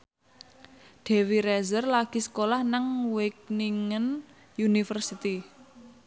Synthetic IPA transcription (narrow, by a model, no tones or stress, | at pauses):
d̪̥ɛ̤wiɾɛzərlaɡ̥i̤sə̥kolahnaŋwɪk̚niŋən | junifərsit̪i